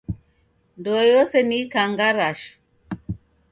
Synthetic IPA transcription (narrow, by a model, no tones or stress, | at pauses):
ndɔjɔsɛnikaŋɡaɾaʃ